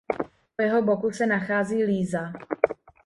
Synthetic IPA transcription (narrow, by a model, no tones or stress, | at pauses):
ojɛɦo̞bokusɛnaxaːziːliːza